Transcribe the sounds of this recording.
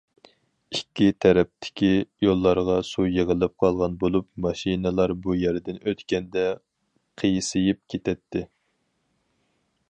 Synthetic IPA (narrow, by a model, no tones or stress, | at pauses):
ikʲːit̪ʰɛɾɛp̚t̪ʰɪ̥kʲijolˠːɑɾʁɑsujeʁəlɨp̚qʰɑlˠʁɑnbolˠupmɑʃinɨlˠɑɾbujæɾd̪ɪnøt̪kʲɛnd̪ɛ | qʰəjsɨjip̚kʲʰet̪ʰɛt̪ʰːɪ